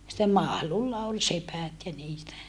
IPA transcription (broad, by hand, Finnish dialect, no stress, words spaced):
sitːem mɑhlulːɑ ol sepæt jɑ niːtæ